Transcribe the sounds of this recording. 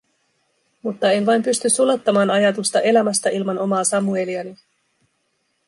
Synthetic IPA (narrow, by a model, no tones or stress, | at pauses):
mut̪ːɑe̞nʋɑjmpyst̪ysulot̪ːɑmɑːnɑjɑt̪ust̪ɑʔe̞læmæst̪æilmɑno̞mɑːsɑmue̞liɑni